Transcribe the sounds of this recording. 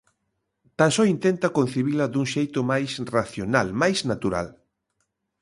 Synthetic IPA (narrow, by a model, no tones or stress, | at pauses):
t̪ansɔint̪ent̪ɐkon̟θiβilɐðuŋʃejt̪ʊmajsraθjonalmajsnat̪uɾa̰l